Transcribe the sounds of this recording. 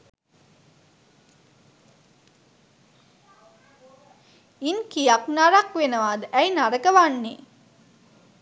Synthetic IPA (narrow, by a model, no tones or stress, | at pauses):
inkijaknaɾakʋenəʋaːd̪əʔæinaɾəkəʋanːe